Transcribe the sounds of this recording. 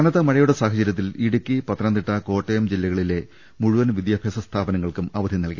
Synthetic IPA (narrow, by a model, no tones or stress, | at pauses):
ɐnɐðɐmɐɻɐjuɽesaːɦɐt͡ɕɐɾjɐt̪̬ːiliɽukːipɐt̪ːɐnɐnd̪iʈːɐko̞ːʈːejɐmd͡ʑilːɐɣɐɭile̞ | muɻuʋɐnʋid̪jaːbʱjɐsɐst̪ʰaːbɐnɐŋːɐɭkumɐʋɐd̪ʱinːɐlkʲːɐ